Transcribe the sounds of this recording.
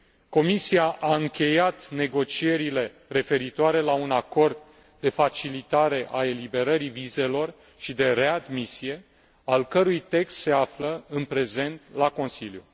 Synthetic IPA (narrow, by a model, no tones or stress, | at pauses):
ko̞misiaʔaɨŋkʲe̞jat̪ne̞ɡo̞t͡ʃie̞ɾile̞ | re̞fe̞ɾit̪oaɾe̞launako̞rd̪ː | e̞fat͡ʃilit̪aɾe̞ʔae̞libe̞ɾəɾivize̞lo̞r | ʃid̪e̞ɾe̞ad̪misije̞ | alkəɾujt̪e̞kst̪se̞afləɨnpɾe̞ze̞nt̪lako̞nsiljṵ